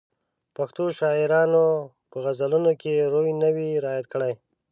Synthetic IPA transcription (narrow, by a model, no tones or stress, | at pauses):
paxt̪oʃɑɪɾɑno | pəɣazalunokeɾojnəwiɾɑːjat̪̚kəɽaj